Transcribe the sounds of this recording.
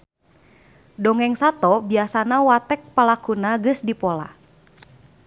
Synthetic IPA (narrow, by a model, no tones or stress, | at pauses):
dɔŋɛŋsat̪ɔbiasanawat̪ɛk̚palakunaɡɨsdipɔla̰